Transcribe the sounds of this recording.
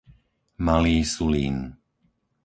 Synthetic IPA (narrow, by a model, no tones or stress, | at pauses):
maliːsulḭːn